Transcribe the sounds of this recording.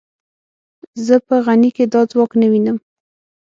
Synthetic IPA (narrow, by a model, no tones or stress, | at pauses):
zəpəɣaniked̪ɑd͡zwɑknəwinəm